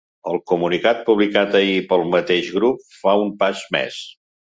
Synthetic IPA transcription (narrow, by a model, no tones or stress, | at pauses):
əlˠkumunikat̪̚puβlikat̪əipəlˠmət̪eʒɣɾup̚faumpazmḛs